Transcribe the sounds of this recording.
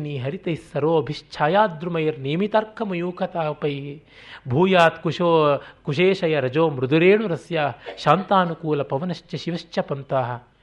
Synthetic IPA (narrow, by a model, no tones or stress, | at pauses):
niːɦɐɾit̪ɐjsɐɾoːɐbʱiʃt͡ʃʰaːjaːd̪ɾumɐjɾneːmit̪ɐɾkʰɐmɐjuːkʰɐt̪aːpɐj | bʱuːjaːt̪kuʃoːkuʃeːʃɐjɐɾɐd͡ʒoːmɾud̪uɾeːɳuɾɐsjaːʃaːnt̪aːnukuːlɐpɐʋɐnɐʃt͡ʃɐʃiʋɐʃt͡ʃʰɐpɐnt̪aːɦɐ̆